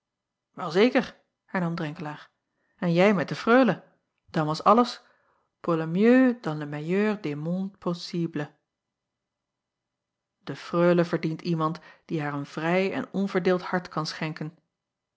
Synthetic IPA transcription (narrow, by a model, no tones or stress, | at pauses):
ʋɛlˠzejkəɹ | hɛɹnɑmdrɛŋkəlaːɹ | ɛnjɛjmɛt̚dəfrøːlə | d̥ɑnʋɑsɑləs | polamjøːdɑndəmajøːɹdemɔnpʰosiblə | d̥əfrøːləvəɹdintimɑntd̥iɦaːɹənv̥rɛjɛ̰nɔnvəɹdɪːlˠthɑɹtkɑnsχɛŋkən